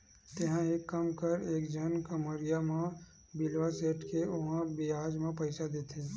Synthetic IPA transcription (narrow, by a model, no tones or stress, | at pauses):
t̪eɦãɦikːəmkəɾeːkd͡ʒʱənkəməɾijamẽ | bɪlʋaseːʈkeʊɦãbiaːd͡ʒmẽpəɪsad̪eːt̪ʰeː